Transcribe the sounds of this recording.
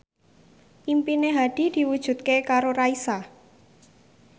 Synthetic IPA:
ʔimpineɦad̪̥i̤d̪̥i̤wud̥ʒ̥ṳt̪̚kekaɾoɾaisa

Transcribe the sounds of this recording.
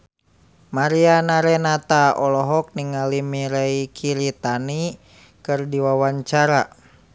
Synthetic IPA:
maɾianaɾɛnat̪aɔlɔɦɔk̚niŋalimiɾɛikʰiɾit̪ani | kɨrdiwawaɲt͡ʃaɾa

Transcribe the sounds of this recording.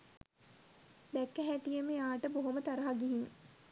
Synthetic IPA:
d̪ɛkːæɦæʈijəmeaːʈəboɦomət̪aɾaɦaɡiɦiŋ

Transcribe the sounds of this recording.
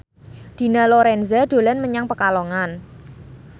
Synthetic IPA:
d̪̥i̤naloɾɛnzaɖ̪̥o̤lɛnməɲaŋpəkalɔŋan

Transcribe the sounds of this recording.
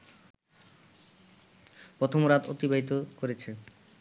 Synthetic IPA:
pɾɔt̪ʰomoɾat̪o̰t̪ibaɦit̪̬okoɾet͡ɕʰe

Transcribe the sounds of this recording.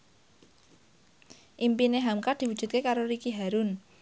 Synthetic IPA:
ʔimpineɦamkad̪̥i̤wu̥ʒ̥ṳt̪̚kekaɾoɾikiɦaɾʊn

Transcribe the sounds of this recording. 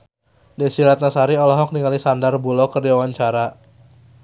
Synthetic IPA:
dɛsiɾat̪̚nasaɾiɔlɔɦɔk̚niŋalisandarbulɔkərdiwawaɲt͡ʃaɾa

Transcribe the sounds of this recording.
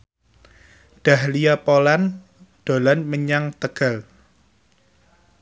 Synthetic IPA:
ɖ̪̥a̤hlijapolan | d̪̥o̤lanməɲaŋt̪əɡ̥a̤l

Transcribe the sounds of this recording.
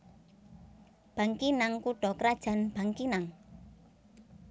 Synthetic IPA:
b̥a̤ŋkinaŋkuɖ̥ɔ̤kɾad̥ʒ̥a̤nb̥a̤ŋkinaŋ

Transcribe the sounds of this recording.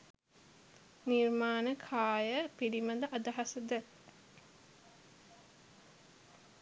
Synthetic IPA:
nirmaːnəkʰaːjəpiɽiməd̪əʔad̪ɐɦasəd̪ə

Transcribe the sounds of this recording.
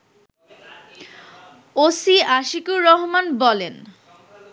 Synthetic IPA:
osiaʃikuɾɔɦmanbɔlen

